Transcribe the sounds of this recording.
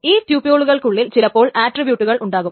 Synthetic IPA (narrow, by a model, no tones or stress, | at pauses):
iːt̪juːpijoːɭuɣɐɭkuɭːilt͡ɕilɐpːo̞ːɭaːʈribjuːʈːuɣɐɭʔuɳɖaːɣum